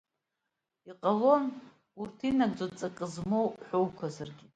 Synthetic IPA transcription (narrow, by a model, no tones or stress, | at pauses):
iqʼalo̞n | urtʰinaɡd͡zʼot͡sʼakʼɨzmowħʷowkʷʰazarɡʲɪ